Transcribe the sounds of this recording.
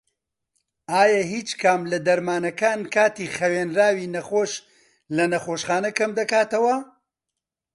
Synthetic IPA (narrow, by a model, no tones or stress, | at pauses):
ʔaːjɐɦiːt͡ʃkʰamlɐd̪ɐɾmaːnɐkaːnkaːt̪iːxɐweːnɾaːwiːnɐχoːʃ | lɐnɐxoːʃχaːnɐkɐmd̪ɐkaːt̪ɐwɐ